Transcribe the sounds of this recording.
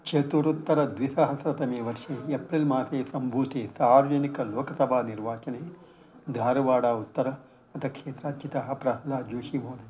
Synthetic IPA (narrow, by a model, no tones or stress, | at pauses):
kʂet̪uːɾut̪ːɐɾɐd̪ʋisɐɦɐsɾɐt̪ɐmeːʋɐɾʂeːepɾilmaːseːsɐmbʱuːt̪eːsaːɾɐd͡ʒɐnikɐlɔːkɐsɐbʱaːniɾʋaːt͡ʃɐneː | d̪ʱaːɾɐʋaːɽaːut̪ːɐɾɐ | ɐt̪ɐkʂeːt̪ɾɐːt͡ʃit̪ɐɦɐpɾɐɦɐlaːd͡ʒuːʃimoːd̪e